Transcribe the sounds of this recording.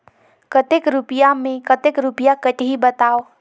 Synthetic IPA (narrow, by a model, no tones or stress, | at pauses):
kət̪ekɾupijamẽkət̪ekɾʊpijakətɦibət̪aːo